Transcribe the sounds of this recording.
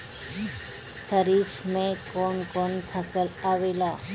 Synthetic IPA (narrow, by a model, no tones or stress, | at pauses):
kʰəɾiːfmẽkɔːnkɔːnpʰəsəlaːʋeːlaː